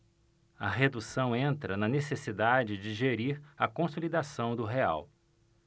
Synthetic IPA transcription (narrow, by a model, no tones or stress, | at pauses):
ɐ̰ɦed̪usɐ̃w̃ẽnt̪ɾɐnɐnesesid̪ad͡ʒɪd͡ʒɪʒeɾiɾɐkõsolid̪asɐ̃w̃d̪ʊɦea̰w